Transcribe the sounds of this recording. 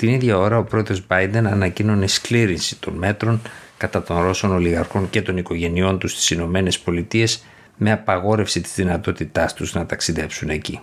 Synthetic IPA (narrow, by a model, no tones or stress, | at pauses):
t̪iniðʝɐo̞ɾɐo̞pɾoðo̞zbɐjd̪e̞nɐnɐcino̞neskliɾinsi̥t̪o̞nme̞t̪ɾo̞ŋkɐt̪ɐt̪o̞nɾo̞so̞no̞liɣɐɾxo̞ŋce̞t̪o̞niko̞ʝe̞nio̞nt̪ust̪i̥sino̞me̞ne̞spo̞lit̪ie̞s | me̞ɐpɐɣo̞ɾe̞fsit̪i̥zðinɐt̪o̞t̪it̪ɐst̪uznɐt̪ɐksiðe̞psune̞cḭ